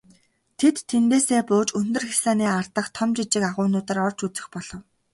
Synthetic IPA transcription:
t̪ʰet̪ʰːent̪eːseːpʊːt͡ɕɵnt̪ɵ̆rxisaːniːart̪ə̆χt̪ʰɔmt͡ɕit͡ɕɪ̆kaʁʊːnʊːt̪ə̆rɔrt͡ɕut͡sɘ̆xpɔɮ̥ɞ̆w

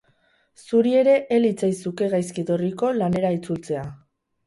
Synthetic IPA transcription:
suɾie̞ɾe̞ʔelit͡sajsuke̞ɣajskit̪oriko̞lane̞ɾait͡sult͡se̞a

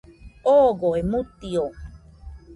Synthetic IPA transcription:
oːɡoemut̪io

